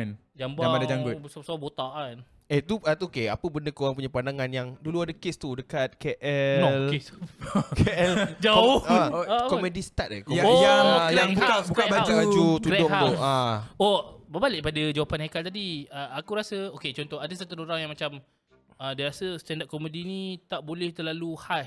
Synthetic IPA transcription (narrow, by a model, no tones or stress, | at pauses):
n | d͡ʒambaamadad͡ʒaŋɡəsasbot̪aʔan | et̪uat̪ukeapəbəndəkoɣaŋpuɲapandaŋanjaŋduluadakest̪udəkat̪̚keʔɛolkeskɛɛld͡ʒaoakomedist̪at̪̚koaojajaŋbukabukabad͡ʒubad͡ʒut̪ulɛdʊhat̪ʊaobəbalɪʔ̚padəd͡ʒawapanhakalt̪adiəakuɾasəoket͡ʃɔnt̪ɔɦadəsət̪unoɾaŋjaŋmat͡ʃam | ədiaɾasəst̪ɛndaʔ̚komedinit̪aʔbolɛht̪əlaluhas